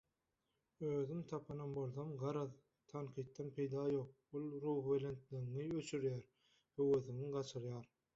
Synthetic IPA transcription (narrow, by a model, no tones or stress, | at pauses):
øːðymt̪ʰɑpʰɯnɑnbolˠθɑmɢɑɾɑð | t̪ʰɑnqʰijt̪̚ːɑnpʰe̞jd̪ɑːjo̞ːq̚olˠɾuːhbelent̪liŋiøt͡ʃʰyɾjæːɾ | høwøθiŋiɢɑt͡ʃʰɯɾjɑːɾ